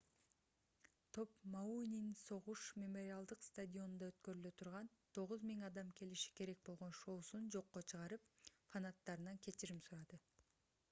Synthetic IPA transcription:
t̪ʰo̞pmauninso̞ʁuʃmʲemo̞ɾʲɪalˠd̪ɯqst̪adʲio̞nnd̪ɑøt̪kø̞ɾylø̞t̪ʰuɾʁɑnt̪ʰo̞ʁuzmiŋɑd̪ɑmkʰe̞liʃi̥ke̞ɾe̞k̚bolˠʁo̞nʃo̞ːsund͡ʒo̞qːot͡ʃʰɯʁɑɾɯpfanat̪ːɑɾɯnɑŋkʰe̞t͡ʃiɾimsuɾɑd̪ɯ

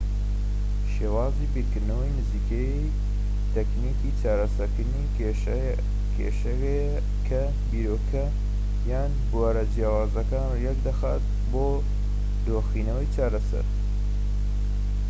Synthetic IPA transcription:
ʃeːwaːziːbiɾkɨɾd̪nɐwɐjnɨziːkej | t̪ɛkniːkiːt͡ʃaːɾɐsɐɾkɨd̪niː | kʰḛʃɐe | kʰɐ | biːɾoːkʰɐ | jaːnbuaːɾɐd͡ʒijaːwaːzɐkaːnjɛkd̪ɐxa̰ːt̪̚ | boː | d̪oːxiːnɐwɐjt͡ʃaːɾɐsɐ̰ɾ

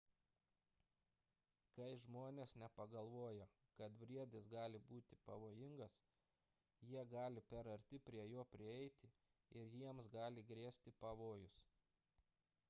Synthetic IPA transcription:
kɐɪʒmoːnʲeːsnʲɛpɐɡɐlˠʋoːjɛ | kɐt̪bʲɾʲiɛd̪ʲɪsɡɑːlʲɪbuːt̪ʲɪpɐʋoːjɪŋɡɐs | jiɛɡɑːlʲɪpʲɛɾɐɾʲt̪ʲɪpʲɾʲiɛjoːpʲɾʲɪɛɪt̪ʲɪ | ɪɾjiɛmsɡɑːlʲɪɡɾʲiɛsʲt̪ʲɪpɐʋoːjʊs

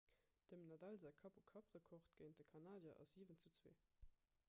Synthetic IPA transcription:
d̥əmnɑdɑlzakʰɑpukʰɑpʁəkʰɔχtɡ̥əɪnt̚dəkʰɑnaːdjɐʔɑ̰siːvənt͡sut͡swḛː

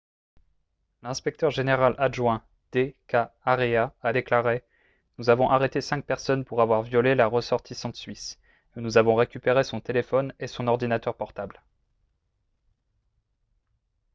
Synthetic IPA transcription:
lɛ̃spɛk̚t̪œʁʒeneʁalʔaʒwɛ̃ | d̪̥ekaːʁeaad̪eklaʁe | nuzavɔ̃ʔaʁet̪esɛ̃k̚pɛʁsɔnpuʁavwaʁvjɔlelaʁəsɔʁt̪ʰisɑ̃t̪sɥis | nuzavɔ̃ʁekʲypeʁesɔ̃t̪elefɔnesɔ̃nɔʁd̪inat̪œʁpɔʁt̪abl

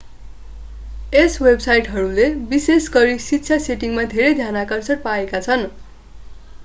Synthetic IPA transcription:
eswebsajʈɦʌɾulebisesɡʌɾisit̪ːsʰjaseʈiŋmad̪ʱeɾʌjd̪ʱjanakʌrsʌʈ̚paekat͡sʰʌn

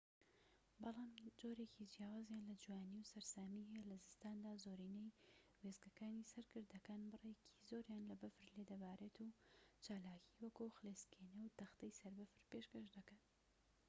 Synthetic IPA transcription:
bɑlˠɑːmd͡ʒoːɾe̞cʰid͡ʒijaːwaːzjaːnlɐd͡ʒwaːniwsɐɾsaːmiɦɛjelɐzɨst̪aːnd̪aːzoːɾiːnejwezkɐkaːnisɐɾkɨɾd̪ɐkaːnbɨrecʰi̥zoːɾjaːnlɐbɐfɨɾled̪ɐbaːɾeːt̪ʰut͡ʃaːlaːkʰiwɐkuxɨleskʰenewt̪ɐxt̪ɐjsɐɾbɐfɨɾpeʃkɐʃd̪ɐkan

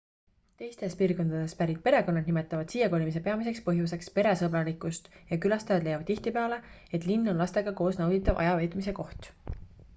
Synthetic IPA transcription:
t̪e̞jst̪e̞spiːrɡo̞nd̪̥ɑd̪̥e̞spæɾit̪̚pe̞ɾe̞ko̞nːɑd̪nime̞t̪ːˑɑvɑd̪̥siːjɑko̞limis̬e̞pe̞ɑmis̬e̞kspɤɦjuse̞kspe̞ɾe̞sɤbɾɑlikˑust̪jɑkylɑst̪ɑjɑd̪le̞jɑvd̪iht̪ipeɑle̞ | e̞t̪ˑlinːo̞nlɑst̪e̞ɡ̥ɑko̞ːsnɑwd̪it̪ːˑɑvʔɑ̰jɑvejt̪ˑmise̞ko̞ht̪

